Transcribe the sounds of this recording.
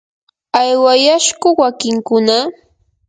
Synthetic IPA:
ajwajaʃɢʊwakɪŋkʊna

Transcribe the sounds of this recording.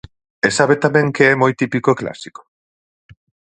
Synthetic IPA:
esaβet̪amẽŋkeɛmojt̪ipikoekla̰si̥ko̥

